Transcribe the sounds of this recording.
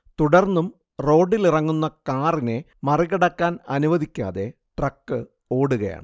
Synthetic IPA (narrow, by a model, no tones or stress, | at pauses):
t̪uɽɐrnːum | ro̞ːɖːilirɐŋːunːɐkaːrine̞ | mɐriɣɐɽɐkːaːnɐnuʋɐðikʲːa̰ːðe̞ | ʈrɐkːɨ | o̞ːɽuɣɐja̰ːɳɨ